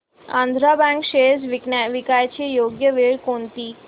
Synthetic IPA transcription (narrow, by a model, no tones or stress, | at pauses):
ã̰nd̪ʱɾabãŋkɕesʋʋikajt͡ɕejoɡjəʋeɭkont̪iː